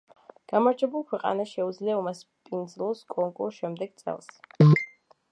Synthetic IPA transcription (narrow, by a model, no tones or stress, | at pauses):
ɡ̥amaɾd͡ʒɛbulˠkʰwɛqʼa̰naʃɛud̪zliaumaspʼind̪zlˠɔskʼɔŋkʼṵɾʃɛmd̪ɛɡ̥t̪sʼɛ̰lˠs